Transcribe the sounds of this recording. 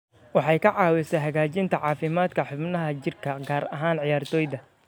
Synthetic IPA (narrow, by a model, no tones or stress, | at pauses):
wɑħɑjkʰɐʕɑːwɪsɛɦɐɣaːt͡ʃɪnt̪ʰɐʕɑːfɪmaːd̪kʰɐħʊbnɐɦɐt͡ʃɪrkʰɐɡaːɾɐɦaːnʕɪjaːrt̪ʰɔːjðɐ